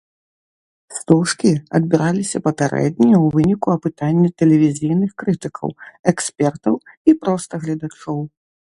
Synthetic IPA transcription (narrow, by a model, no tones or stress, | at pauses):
st̪ɔʂkʲiɐd̪̚bʲiɾalʲisʲɐpɐpʲaɾɛ̰d̪̚ʲnʲijɐwvɨnʲikuɐpɨt̪anʲːɛt̪ɛlʲɛvʲizʲijnɨxkɾɨt̪ɨkʰɐ̰wɛksʲpʲɛrt̪ɐw | ipɾɔst̪ɐɣlʲɐd̪at͡ʂɔw